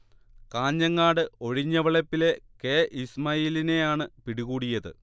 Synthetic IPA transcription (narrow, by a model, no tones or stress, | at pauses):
kaːɲːɐŋːaːɽɨo̞ɻiɲːɐʋɐɭɐpːile̞keːʔismɐjiːline̞jaːɳɨpiɽiɣuːɽijɐðɨ̰